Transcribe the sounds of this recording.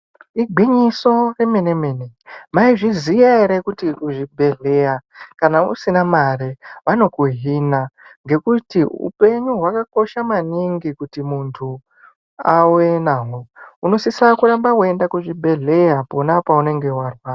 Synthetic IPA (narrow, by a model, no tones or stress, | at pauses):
iɡʱiɲiso̞re̞me̞neme̞nemaiʐizijaeɾekutikuʐibʱe̞ɮe̞jakanaṵsinamareʋano̞kuɦinaŋɡe̞kutiṵpe̞ɲuɦwakako̞ʃamaniŋɡikutimuntʰu | awenaɦouno̞sisakuɾambakuendakuʐibʱe̞ɮe̞japo̞napaune̞ŋɡe̞warwa